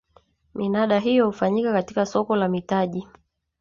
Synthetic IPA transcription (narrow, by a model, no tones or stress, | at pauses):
minaɗaɦijɔhufaɲikakatikasɔkɔlamitaʄi